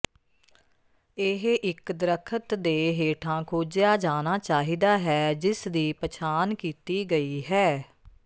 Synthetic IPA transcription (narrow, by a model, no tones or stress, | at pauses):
ɪɦʔɪkd̪əɾəkʰət̪d̪eːɦeːʈʰãːkʰoːd͡ʒɪjaːd͡ʒaːnaːt͡ʃaːɦiːd̪aːɦɛːd͡ʒɪsd̪iːpət͡ʃʰaːnkiːt̪iːɡəiːɦɛː